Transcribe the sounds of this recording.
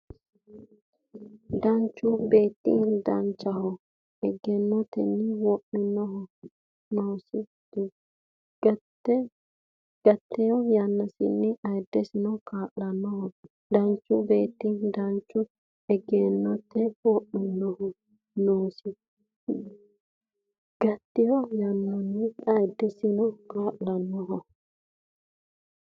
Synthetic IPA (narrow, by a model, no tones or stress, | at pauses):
d̪ɐnt͡ʃːʊbeːt̪ːɪ̰d̪ɐnt͡ʃːɐhɔ | ɛɡɛnːɔt̪ːɛ̰nːɪwɔʔmɪnːɔɦɔ | noːsɪ | d̪̥ | ɡ̥ɐt̪ːɛjɔjanːɐsɪnːɪɐjd̪ːɛsɪnɔkaːʔːɐnːɔhɔ | d̪ɐnt͡ʃːʊbe̞ːt̪ːɪd̪ɐnt͡ʃːʊ | ɛɡeːnːɔt̪ːɛɔːʔmɪnːɔhɔ | noːsɪ | ɡ̥ɐt̪ːɪjɔjanːɔnːɪɐjd̪ːɛsɪnɔkaːʔlɐnːɔɦɔ